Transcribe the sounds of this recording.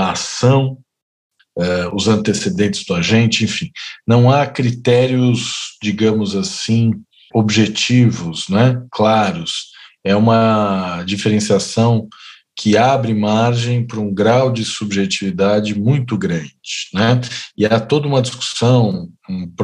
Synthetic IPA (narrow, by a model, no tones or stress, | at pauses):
ɐasɐ̃w̃ | ɛʊzɐ̃nt̪esed̪ẽnt͡ʃɪz̥d̪ʊaʒẽnt͡ʃɪẽfĩnɐ̃w̃akɾit̪ɛɾiʊzd͡ʒiɡɐ̃mʊzasĩ | obʒet͡ʃivʊsnɛklaɾʊsɛũmɐd͡ʒifeɾẽsiasɐ̃w̃ | kʰɪabɾɪmaɾʒẽj̃pɾɐũɡɾawd͡ʒɪsubʒet͡ʃivid̪ad͡ʒɪmũj̃t̪ʊɡɾɐ̃d͡ʒɪnɛɪat̪od̪ɐũmɐd͡ʒisku̥sɐ̃w̃ũpɾ